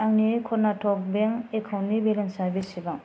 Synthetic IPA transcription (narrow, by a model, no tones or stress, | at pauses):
aŋnikʰɔnatʰɔk̚beŋekʰawnibelensaɾbisibaŋ